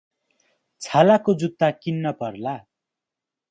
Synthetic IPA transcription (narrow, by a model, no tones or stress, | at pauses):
t͡sʰalakod͡zut̪ːakinːʌpʌrla